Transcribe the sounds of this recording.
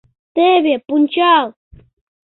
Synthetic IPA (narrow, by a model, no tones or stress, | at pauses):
t̪eːβepʊnt͡ʃaw